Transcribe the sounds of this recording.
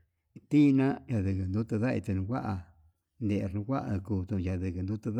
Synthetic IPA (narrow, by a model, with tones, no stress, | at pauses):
t̪i˦˧nã˦ja˧ðɨ˧˨kɨ˧˨nd̪u˦t̪a˧ða˦ḭ˧t̪e˧nũ˧kʷa˦ʔa˧ | nd̪e˧˨ʔɾnũ˧kʷa˦ʔkuː˧˨t̪ũ˧ja˧˨ðɨ˨kɨ˧nd̪u˦t̪a˧ð